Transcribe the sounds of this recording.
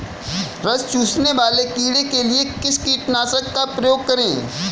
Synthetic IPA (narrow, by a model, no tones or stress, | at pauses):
ɾɐst͡ʃuːsneʋaːlekiːɽekeliekɪskiːʈnaːsəkːapɾɐjoːɡ̚kɐɾẽː